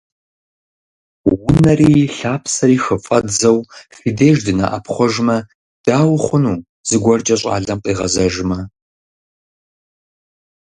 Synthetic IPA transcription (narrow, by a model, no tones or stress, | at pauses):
wʊnɐriːɬaːpʰsɐɾiːxɨfʼɐdd͡zɐwfideːʒdɨna̰ʔɐpʰχʷɔʒmɐ | d̥aːwχʷʊnuː | z̥ɨɡʷɔrt͡ʃʼɐɕʼa̰ːɮɐmqʼiːʁɐzɐʒmɐ